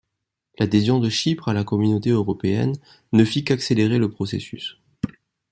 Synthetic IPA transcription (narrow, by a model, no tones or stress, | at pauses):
lad̪ezjɔ̃d̪əʃipχalakɔmynot̪eøʁɔpeɛ̰nː | əfikakseleʁeləpχɔsḛsy̰s